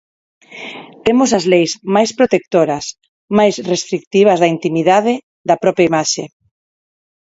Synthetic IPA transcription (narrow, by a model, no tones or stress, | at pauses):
t̪emosɐzlejsmajspɾot̪ek̚t̪oɾɐs | majsrest̪ɾik̚t̪iβ̞ɐzðɐint̪imiðað̞ɪ | ðɐpɾɔpɾjaimaʃe